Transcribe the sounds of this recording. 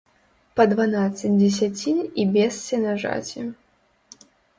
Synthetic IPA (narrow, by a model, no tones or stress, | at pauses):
pɐd̪vanat̪sɨdʲɛsʲat͡sʲinʲibʲɛst͡sʲɛnaʐa̰t͡sʲi